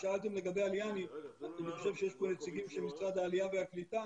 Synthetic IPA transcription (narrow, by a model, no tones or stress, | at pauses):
ʃaalt̪e̞mle̞ɡabe̞jaljanianiχo̞ʃe̞vʃejeʃponet͡siɡimʃelmisʁad̪haːliaveaklit̪a